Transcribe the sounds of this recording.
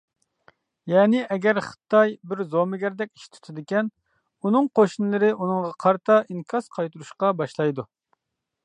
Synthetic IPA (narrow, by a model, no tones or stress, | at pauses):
jɛːnɪʔɛɡʲɛɾχə̥t̪ʰɑjbɪɾzomɪɡʲɛɾd̪ɛkʲi̥ʃt̪ʰu̥t̪ʰɨd̪ɪkʲɛn | unɨŋqoʃnɨlˠɨɾɪʔunɨŋʁɑqʰɑɾt̪ʰɑʔiŋkʲʰɑsqʰɑjt̪uɾuʃqɑbɑʃlˠɑjd̪u